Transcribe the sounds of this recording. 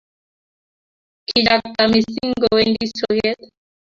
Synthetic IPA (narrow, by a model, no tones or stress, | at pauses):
kiʎak̚t̪amisiŋɡoendisojet̪